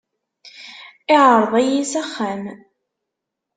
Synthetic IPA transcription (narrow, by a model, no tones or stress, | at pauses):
ɪʕɾˤðˤæjisæχːæn